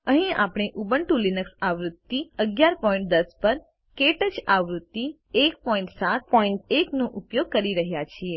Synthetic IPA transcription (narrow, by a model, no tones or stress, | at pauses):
əɦĩa̰pɳ̃eʔubəɳʈulinəksaʋɾʊt̪ːiəɡjaɾpɔĩɳʈ̚d̪əspəɾ | keʈəd͡ʒaʋɾut̪ːi | ekpɔĩɳʈsat̪̚pɔĩɳʈeknõʔupjoɡ̚kəɾiɾəɦjat͡ʃʰie